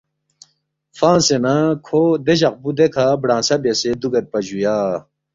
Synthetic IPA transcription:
fãːnsenakʰoːd̪eʑɐq̚bud̪ekʰaːbɽãːsɐbesed̪uɡɐɾ̚pɐd͡ʑujaː

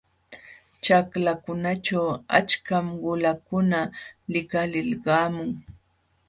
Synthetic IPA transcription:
t͡ʃaklakʊnat͡ʃawa̰t͡ʃkamɢʊlakʊnalɪkalɪlɢɑːmʊŋ

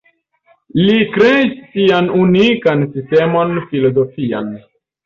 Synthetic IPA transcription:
likɾeisːianunikansistemo̞nfilo̞zo̞fia̰n

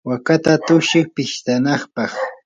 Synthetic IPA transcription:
wakat̪at̪ʊʃɪχpɪʃt̪anɑχpɑχ

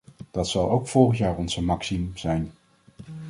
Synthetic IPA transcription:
d̥ɑtsɑlˠowkfʊɹχəntjaːɹɔnzəmɑksimz̥ɛjn

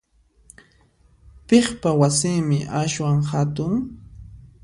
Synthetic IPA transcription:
peχpawasɪːmɪʔaʃwaŋhat̪ʊŋ

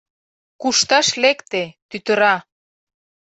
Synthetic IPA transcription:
kuʃt̪ɑʃlekt̪et̪yt̪ə̆ɾɑ

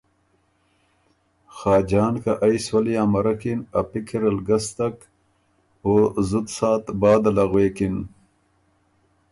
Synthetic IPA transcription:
xaːd͡ʑaːnkaʔajswɐlijaːmɐɾɐkinɐpikʰiɾɐlɡɐst̪ɐk | ozud̪saːt̪baːd̪ɐlɐɣweːkin

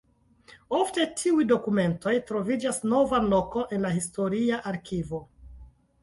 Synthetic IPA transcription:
o̞fte̞tʰiujdo̞kume̞nto̞jtɾo̞vid͡ʒasno̞vanlo̞ko̞ʔe̞nlahisto̞ɾiaʔaɾkivo

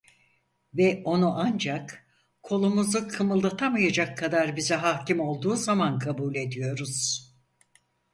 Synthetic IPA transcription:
vɛʔo̞nuʔand͡ʒak | kʰo̞lˠumuzukʰɯmɯlˠd̪at̪ʰamajad͡ʒakʰːad̪aɾbizɛɦacimo̞lˠd̪uːzamankʰabuːlʲe̞d̪ijo̞ɾuz̥

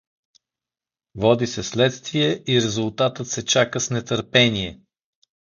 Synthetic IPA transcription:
vɔd̪isɛslɛt̪st̪viɛʔiɾɛzulˠt̪at̪ət̪sɛt͡ʃakəsnɛt̪əɾpɛniɛ

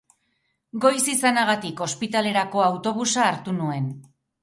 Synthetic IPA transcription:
ɡo̞jsisanaɣat̪iko̞spit̪ale̞ɾako̞awt̪o̞β̞usaːɾt̪unue̞n

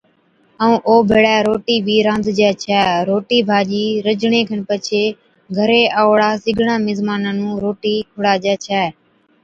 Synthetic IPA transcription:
əũːʔoːbʱeːɽɛːɾoːʈiːbʱiːɾãːnd̪ʱd͡ʒɛːt͡ʃʰɛːɾoːʈiːbʱaːʄiːɾəd͡ʒɳẽːkʰəɳpət͡ʃʰeː | ɡʱəɾeːaːɽaːsɪɡʱɳãːmɪzmaːnãːnũːɾoːʈiːkʰʊɽaːd͡ʒɛːt͡ʃʰɛː

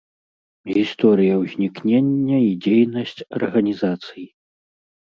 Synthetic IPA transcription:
ɣʲist̪ɔɾɨjɐwzʲnʲiknʲenʲːɐid͡zʲejnɐsʲt͡sʲɐ̰rɣɐnʲizat̪sɨji

